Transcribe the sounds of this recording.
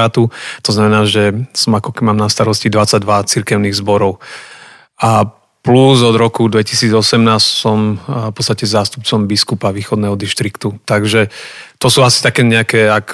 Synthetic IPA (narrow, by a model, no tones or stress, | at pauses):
aːt̪ut̪ɔznamɛnaːʒɛsɔmakɔkɛimaːmnast̪aɾɔscid̪ʋat͡saɟ̚d̪ʋat͡siɾkɛʊniːɣzbɔɾɔʊ | ʔa | pluzɔd̪ɾɔkud̪ʋɛcisiːd͡zɔsɛmnaːssɔmfpɔt͡sst̪acɛzaːst̪up̚t͡sɔmbiskupaʋiːxɔd̪nɛːɦɔd̪iʃt̪ɾikt̪ut̪aɡʒɛt̪ɔsuːasi̥t̪akɛːɲɛakɛːak